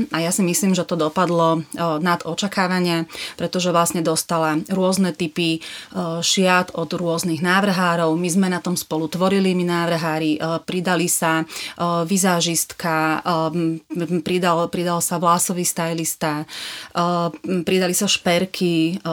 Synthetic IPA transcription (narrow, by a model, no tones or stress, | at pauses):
ajasimisliːmʒɛt̪ɔd̪ɔpad̪lɔnad̪ɔt͡ʃakaːʋaɲɪapɾɛt̪ɔʒɛʋlasɲɛd̪ɔst̪alaɾʊɔznɛt̪ipi | ʃɪat̪ɔd̪ɾʊɔzniɣnaːʋr̩ɦaːɾɔʊmizmɛnat̪ɔmspɔlut̪ʋɔɾiliminaːʋɾ̩ɦaːɾipɾid̪alisa | ʋizaːʒist̪ka | pɾid̪alpɾid̪alsaʋlasɔʋiːst̪ajlist̪a | pɾid̪alisaʃpɛɾkʰi